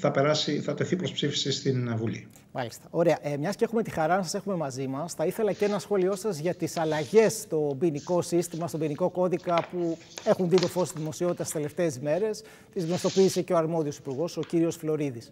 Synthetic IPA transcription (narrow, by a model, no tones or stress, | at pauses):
θɐpe̞ɾɐsiθɐt̪e̞θipɾospsifi̥sist̪invulḭ | mɐlist̪ɐ̥o̞ɾe̞ɐʔemɲɐscee̞xume̞t̪ixɐɾɐnɐsɐse̞xume̞mɐzimɐsθɐiθe̞lɐceenɐsxo̞lio̞sɐzʝɐt̪isɐlɐʝe̞st̪o̞biniko̞sist̪imɐst̪o̞biniko̞ko̞ðikɐpu | e̞xunðit̪o̞fo̞sst̪iðimosio̞t̪it̪ɐsi̥sele̞ft̪e̞ːzme̞ɾe̞s | t̪izɣno̞st̪opiːse̞ceoɐɾmo̞ðio̞sipuɾɣo̞so̞ciɾio̞sflo̞ɾiðis